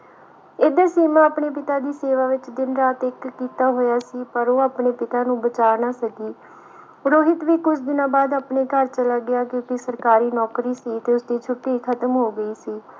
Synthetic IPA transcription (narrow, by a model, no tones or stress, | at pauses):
eːd̪aːsiːmãːaːpɳeːpɪt̪aːd̪iːseːʋaːʋɪt͡ʃd̪ɪnɾaːt̪ɪkːiːt̪aːɦoːjaːsiːpəɾoːaːpɳeːpɪt̪aːnũːbət͡ʃaːnaːsəɡiː | ɾoːɦɪt̪ʋiːkʊt͡ʃʰd̪ɪnãːbaːd̪aːpneːkəɾt͡ʃəlaːɡɪjaːkoːkisəɾkaːɾiːnɔːkɾiːsiːt̪eːʊsd̪iːt͡ʃʰʊʈːiːkʰət̪əmɦoːɡəiːsiː